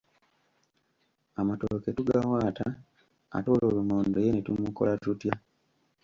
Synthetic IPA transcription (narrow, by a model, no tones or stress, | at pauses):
amatooketuɡawaːta | a̰toːloːlumoːndojenetumuko̞̰latutja